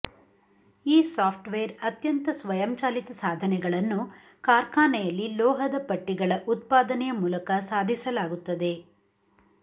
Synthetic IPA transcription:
iːsaːpʰʈʋejɐɾɐt̪jɐnt̪ɐsʋɐjɐmt͡ʃaːlit̪ɐsaːd̪ʱɐnɛɡɐɭɐnːu | kaːɾkaːnɛjɐlːilɔːɦɐd̪ɐpɐʈːiɡɐɭɐʔut̪̚paːd̪ɐnɛjɐmuːlɐkɐsaːd̪ʱisɐlaːɡut̪ːɐd̪e̞

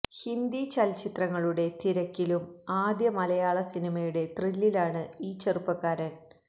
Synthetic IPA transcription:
hind̪it͡ɕɐlt͡ɕit̪rɐŋːɐɭuɽe̞t̪iɾɐkʲːilumaːd̪jɐmɐlɐjaːɭɐsinimɐjuɽe̞t̪rilːilaːɳɨiːt͡ɕɐrupːɐkːaːɾɐn

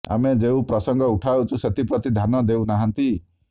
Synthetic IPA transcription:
a̰med͡ʒeũpɾɔsɔŋɡɔuʈʰawt͡ʃʰuset̪ʰipɾɔt̪id̪ʱanɔd̪eunaɦant̪i

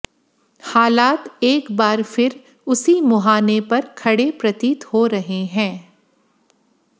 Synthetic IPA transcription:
haːlaːt̪eːkbaːɾfɪɾ | ʊsimʊɦaːnepɐɾkʰɐɽepɾɐt̪iːt̪hoɾɐɦeɦɛ̃ː

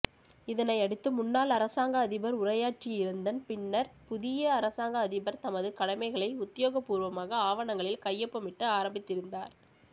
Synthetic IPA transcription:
ɪðɐnɐɪɐɽɯt̪ːɯmʊnːaːlɐɾɐsaːŋɡɐːðɪbɐɾʊrɐjaːʈrijɪɾɯnd̪ɐnpɪnːɐɾpʊðɪjɐːɾɐsaːŋɡɐːðɪbɐɾt̪ɐmɐðɯkɐɽɐmɐɪɣɐɭɐɪʊt̪ːɪjoːɣɐpːuːɾʋɐmaːɣɐaːʋɐɳɐŋɡɐɭɪlkɐjːɐpːɐmɪʈːɯaːɾɐmbɪt̪ːɪɾɯnd̪aːɾ

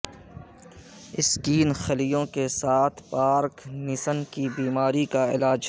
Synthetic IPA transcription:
ɪskiːnxɐlijõkesaːt̪ʰpaːɾknɪsənkibiːmaːɾikaɪ̰laːd͡ʒ

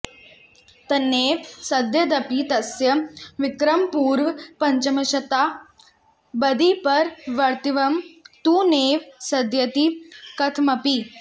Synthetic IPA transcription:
t̪ɐneːʋsɐd̪jɐd̪ɐpit̪ɐsjɐʋɪkɾɐmpuːɾʋpɐɲt͡ʃɐmɐʃɐt̪a | bɐd̪ipɐɾʋɐɾt̪iʋɐmt̪uːneːʋsɐd̪jɐt̪ikɐt̪ʰmɐpi

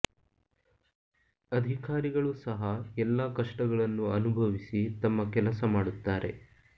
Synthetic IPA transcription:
ɐd̪ʱikaːɾiɡɐɭusɐɦɐɛlːɐkɐʂʈɐɡɐɭɐnːuɐnubʱɐʋisit̪ɐmːɐkɛlɐsɐmaːɽut̪ːaːɾe̞̰

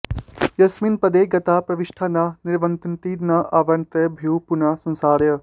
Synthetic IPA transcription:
jɐsminpɐd̪eːɡɐt̪apɾɐʋiʃʈʰananiɾʋɐnt̪nt̪inaʔaːʋɐɳt̪ɐbʱiwpunasɐ̃nsaːɾjə

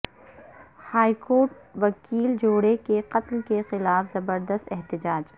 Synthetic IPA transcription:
haːikoːɾʈ̚ʋɐkiːld͡ʒoːɽekeqɐt̪lkexɪlaːfzɐbəɾd̪əst̪ɛɦt̪ɪd͡ʒaːd͡ʒ

